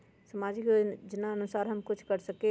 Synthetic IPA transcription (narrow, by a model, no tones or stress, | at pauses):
səmad͡ʒikd͡ʒɪnaənusaɾɦəmkut͡ʃʰkəɾsəke